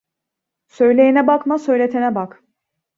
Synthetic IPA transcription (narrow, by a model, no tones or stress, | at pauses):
sø̞jlʲe̞jinɛbakmasø̞jlʲet̪ʰenɛbak